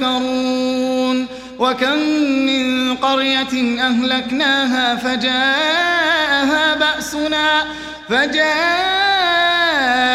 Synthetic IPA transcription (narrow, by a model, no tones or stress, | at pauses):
ɑɾuːn | wakamːɪnqɑɾjat̪ʔaɦlaknaːɦaːfad͡ʒaː | ʔɦaːbaʔsʊnaː | fad͡ʒaː